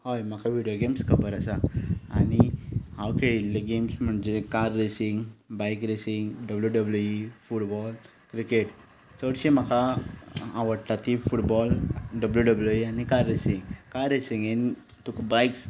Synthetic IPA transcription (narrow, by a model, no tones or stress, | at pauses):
hajm̤akʰaʋiɖjoɡemskʰəbəɾəsaa̰nihawkeɭilːeɡemsm̤əɳd͡ʑekaɾːesiŋɡbajkɾesiŋɡɖəbljuɖəbljuifuʈbɔl | kɾikeʈ | səɽɕim̤aka | ãʋəɽʈ̪at̪ifuʈbɔlɖəbljuɖəbljuianikaɾːesiŋɡkajɾesiŋɡen | t̪ukbajks